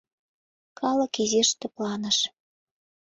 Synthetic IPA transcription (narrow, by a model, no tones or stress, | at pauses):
kʰɑlə̆kiziʃt̪ĕplɑnə̆ʃ